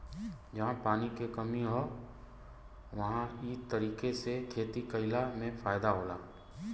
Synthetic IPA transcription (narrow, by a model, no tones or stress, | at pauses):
d͡ʒɐɦãpaːnikekɐmiɦoː | ʋɐɦãiːd̪̚t̪əɾiːkesekʰeːt̪ikɐɪlamẽfʰaːjd̪aɦoːlaː